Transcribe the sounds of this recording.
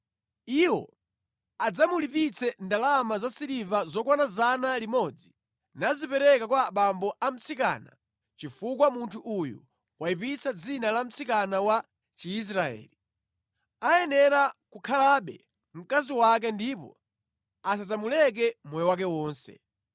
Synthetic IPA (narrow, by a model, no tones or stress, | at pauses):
iwɔ̰ | ad͡zamulipit͡sʰɛndalamazasiɾivazɔkwanazanalimɔd͡zi | nazipɛɾɛkakwaɓambɔʔam̩t͡sʰika̰na̰ | t͡ʃifukwamuntʰuʔujṵ | waipit͡sʰad͡zinalam̩t͡sʰikanawa | t͡ʃiːs̬ɾaɛ̰ːli | ajɛnɛɾakukʰalaɓɛ̰ | m̩kaziwak̬ɛndipɔ̰ | as̬azamulɛk̬ɛmwɛjɛwak̬ɛwɔːnsɛ̰